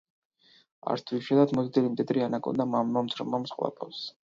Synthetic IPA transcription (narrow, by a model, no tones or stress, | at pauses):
a̰ɾt̪ʰviʃɛlat̪ʰmɔzd̪ɛlimt̪ʼid̪ɾianakʼɔ̰nd̪amamːamt̪sʰɾɔmamsqʼvlˠa̰pʼɔ̰fs